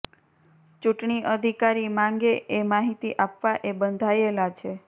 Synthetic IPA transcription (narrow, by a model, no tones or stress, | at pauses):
t͡ʃuʈɳiʔəd̪ʱikaɾimãŋɡeʔemaɦit̪iʔapʋaʔebənd̪ʱaelat͡ʃʰe